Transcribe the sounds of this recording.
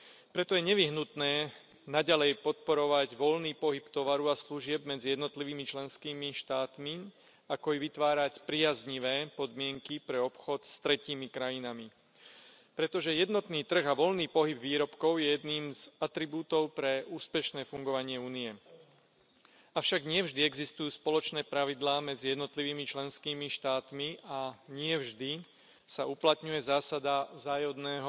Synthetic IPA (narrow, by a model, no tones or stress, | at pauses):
pɾɛt̪ɔjɛɲɛʋiɦnut̪nɛː | naɟalɛjpɔt̪̚pɔɾɔʋaɟʋɔlniːpɔɦipt̪ɔʋaɾuasluʒɪɛbmɛd͡zijɛd̪nɔt̪liʋiːmit͡ʃlɛnskiːmiʃt̪aːt̪mi | akɔiʋit̪ʋaːɾacpɾiazɲiʋɛːpɔd̪mɪɛŋkipɾɛɔpxɔt̪st̪ɾɛciːmikɾajinami | pɾɛt̪ɔʒɛjɛd̪nɔt̪niːt̪r̩ɣaʋɔlniːpɔɦibʋiːɾɔpkɔʊjɛjɛd̪niːmzat̪ɾibuːt̪ɔʊpɾɛuːspɛʃnɛːfuŋɡɔʋaɲɪɛuːnijɛ | afʃaɡɲɪɛvʒd̪iɛɡzist̪ujuːspɔlɔt͡ʃnɛːpɾaʋid̪laːmɛd͡zijɛd̪nɔt̪liʋiːmit͡ʃlɛnskiːmiʃt̪aːt̪miʔaɲɪɛvʒd̪i | sauplat̪ɲujɛzaːsad̪avzaːjɔd̪nɛːɦɔ